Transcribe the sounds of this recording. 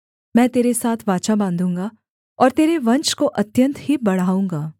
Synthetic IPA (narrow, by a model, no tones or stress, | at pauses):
mɛ̃ːt̪eːɾesaːt̪ʰʋaːt͡ʃabãːnd̪ʱũːŋɡa | ɔːɾt̪eːɾeʋɐ̃ɲt͡ʃkoʔɐt̪jə̃nt̪ɦibɐɽ̤aːũːŋɡaː